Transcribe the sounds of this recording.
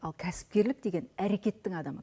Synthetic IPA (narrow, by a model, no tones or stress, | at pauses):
ɑlˠkʲʰæsɪ̥p̚kʲe̞ɾlɪk̚d̪e̞ɡʲe̞næɾe̞kʲe̞t̪ːɪŋɑd̪ɑmə